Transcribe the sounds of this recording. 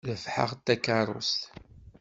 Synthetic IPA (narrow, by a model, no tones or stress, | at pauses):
ðəfħə̰ʁt̪ːækːaɾˤʊ̰st̪